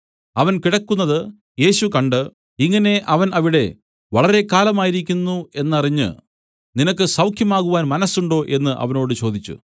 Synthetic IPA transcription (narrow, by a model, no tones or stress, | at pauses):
ɐʋɐnkiɽɐkːunːɐðɨ | je̞ːɕukɐɳɖɨ | iŋːɐne̞ʔɐʋɐnɐʋiɽe̞̰ | ʋɐɭɐɾe̞kaːlɐmaːjiɾikʲːunːue̞nːɨɐriɲːɨ̰ | ninɐkːɨsɐwkʰjɐmaːɣuʋaːnmɐnɐsuɳɖo̞ːʔe̞nːɨʔɐ̰ʋɐno̞ːɽɨt͡ɕo̞ːd̪it͡ɕːṵ